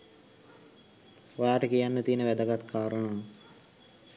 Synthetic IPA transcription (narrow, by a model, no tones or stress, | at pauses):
ojaːʈəkijanːət̪ienəʋæd̪əɡat̪kʰaːɾənaː